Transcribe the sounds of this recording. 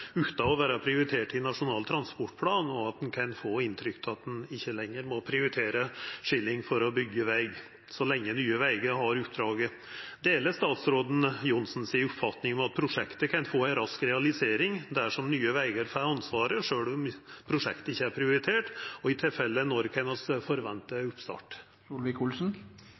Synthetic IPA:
ʉːt̪ɑɔʋæːɾɑpʰɾɪʊɾɪt̪ʰeːʈɪnɑʂʊnɑːlt̪ʰɾɑnspɔʈːpʰlɑːnɔɑt̪̚d̪ɛnkʰɛnfoːɪnt̪ʰɾʏkt̪ʰɑt̪̚d̪ɛnɪçːəlɛŋːəɾmɔpʰɾɪʊɾɪt̪ʰeːɾəʂɪlːɪŋfɔɾɔbʏɡːəʋæɪɡ | sɔlɛŋːənyːəʋæɪɡəɦɑɾʉp̚d̪ɾɑːɡə | d̪eːləst̪ɑːt̪sɾoːd̪n̩jʊnsn̩sɪːʊpfɑt̪nɪŋɔmɑt̪̚pʰɾʊʂɛkt̪əkʰɑnfoːæɪnɾɑskɾɛɑlɪseːɾɪŋd̪æʂɔmnyːəʋæɪɡəɾfɑɑnsʋɑːɾəʂøːɭɔmpʰɾʊʂɛ̰kt̪əɪçːəæɾpʰɾɪʊɾɪt̪ʰeːʈɔɪt̪ʰɪlfɛlːənɔɾkʰɑnɑsfɔɾʋɛnt̪əʉpst̪ɑ̰ːʈ | ulʋɪkʰulsn̩

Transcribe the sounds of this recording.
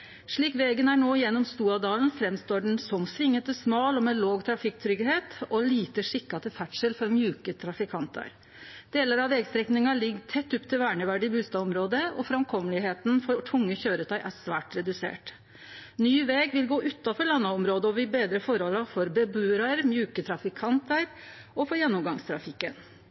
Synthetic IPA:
ʂɭiːkʋeːɡənæɳoːjɛnːɔmst̪uːɑd̪ɑːln̩fɾɛmst̪oːɖɛnsɔmsʋɪŋːət̪əsmɑːlɔmɛloːɡt̪ʰɾɑfɪkt̪ʰɾʏɡɦeːt̪ɔliːt̪əʂɪkːɑt̪əfæʈʂəlfɔɾmjʉːkət̪ʰɾɑfɪkʰɑnt̪ʰɑ̰ɾ | d̪̥eːləɾɑʋʋɛːɡst̪ɾɛknɪŋɑlɪɡt̪ʰɛt̪ːʉpːt̪ʰɪlʋæːɳəʋæɖɪbʉːst̪ɑːʋɔmɾoːd̪əɔ̰fɾɑmkʰɔməlɪɦeːt̪nfɔʈʰʊŋːəçøːɾət̪ʰɑɪʔæɾsʋæːʈɾɛd̪ʉsḛːʈ | nyːʋeːɡʋɪlɡoːʔʉt̪ːɑfɔɾɭɑnːɑɔmɾoːd̪əɔʋɪbeːd̪ɾəfɔɾhɔlːɑfɔɾbɛbʉːɾɑɾmjʉːkət̪ʰɾɑfɪkʰɑnt̪əɾ | ɔfɔɾjɛnːʊmɡɑŋst̪ʰɾɑfɪkːən

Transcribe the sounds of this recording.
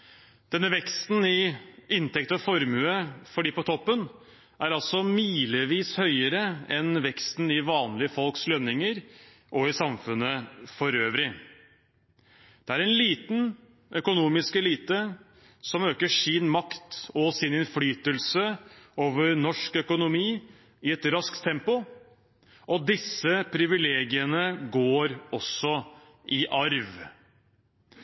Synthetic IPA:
d̪̥ɛnːəʋɛkst̪n̩ɪɪnt̪ɛkt̪əɔfɔɾmʉːəfɔɖiːpɔt̪ʰɔpːən | ʔæɾɑlsɔmyiːləʋiːshœʏəɾəɛnʋɛkst̪n̩ɪʋɑːnlɪəfɔlkslœnːɪŋəɾ | ʔɔɪsɑmfʉnːəfɔɾøːʋɾɪ | d̪̥ɛæɾɛnliːt̪n̩ | ʔœkʊnuːmɪskɛliːt̪ə | sɔmøːkəʂɪnmɑkt̪ɔsɪnɪnflyːt̪əlsəoːʋəɾnɔʂkœkʊnʊmiː | ɪɛt̪ɾɑskt̪ʰːɛmpʊ | ʔɔd̪ɪsːəpʰɾɪʋɪleːɡɪənəɡoːɾɔsɔ | ʔɪʔɑɾʋ

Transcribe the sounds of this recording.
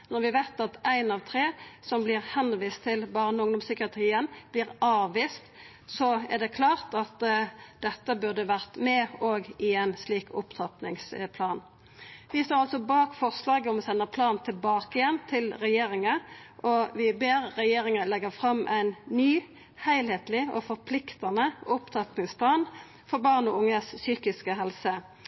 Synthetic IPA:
nɔɾʋɪʋæɪt̪ɑt̪æɪnɑʋt̪ʰɾeːsɔmblɪʁhɛnʋiːst̪ʰɪlbɑːɾənʊŋd̪ʊmsʏkɪɑt̪ʰʁiːənb̥lɪːʁʔɑːʋʋiːst̪ | sɔæʁd̪ɛkʰlɑːʁt̪ɑt̪d̪ɛt̪ːəbʉʁd̪əʋæʁt̪mɛoːɡɪɛɪnsliːkʰʊpt̪ʰɑpnɪŋspʰlɑːn | ʋɪst̪oːʁɑlsɔbɑːkfɔʁslɑːɡəɔmɔsɛnːəpʰlɑːnnt̪ʰɪlbɑːkəjɛnt̪ʰɪlʁɛjeːɾɪŋəʔɔʋɪbeːɾːɛjeːɾɪŋəlɛɡəfʁɑmʔæ̰ɪnnyː | hæɪlheːt̪lɪɔ̰fɔʁpʰlɪkt̪ɑnəʊpt̪ʰɑt̪nɪŋspʰlɑːn | fɔɾbɑːʁnɔʊŋːəssyːkɪskəɦɛlsə

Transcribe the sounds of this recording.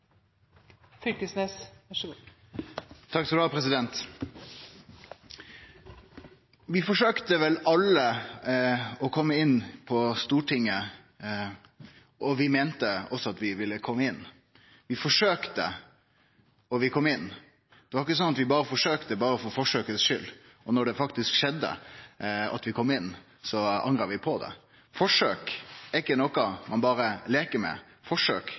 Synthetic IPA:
fʏkəsneːs | t̪ʰɑksɔd̪ɑpʰɾɛsɪd̪ɛnt̪ | ʋɪfɔʂøːkt̪əʋɛlɑlə | ɔkʰɔmːəɪnːpʰɔst̪uːʈʰɪŋːə | ʔɔʋɪmeːnt̪əɔsːɔɑt̪ʋɪʋɪlːəkʰɔmːəɪnː | ʋɪfɔʂøːkt̪ə̰ | ɔʋɪkʰɔmːɪnː | d̪̥ɛʋɑɾɪkːəsɔnːɑt̪ʋɪbɑːɾəfɔʂøːkt̪əbɑːɾəɔfɔfɔʂøːkəsʃʏlː | ʔɔnɔɖɛfɑkt̪ɪskʃɛd̪ːə̰ | ɑ̰t̪ʋɪkʰɔmːɪnː | sɔɑ̰ŋɾɑɾʋɪpʰɔd̪ɛ̰ | fɔʂøːkɛkːənɔkɑmʔɑnbɑːɾəleːkəmɛ̰ | fɔʂø̰ːk

